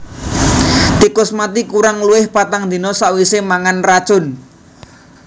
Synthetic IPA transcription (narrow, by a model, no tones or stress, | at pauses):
t̪ikʊsmat̪ikuɾaŋluwɪhpat̪aŋd̪i̤nɔsaʔwisemaŋanrat͡ʃʊn